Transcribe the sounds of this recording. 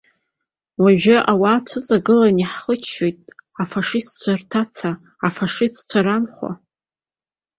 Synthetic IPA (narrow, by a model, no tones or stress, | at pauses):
waʒᶣaʔawaːt͡ʃʷʰɨt͡sʼaɡɨlaniħχət͡ʃʰːojtʼafaʂistt͡ʃʷʰartʰat͡sʰaː | faʂistt͡ɕʷʰaɾanχʷa̰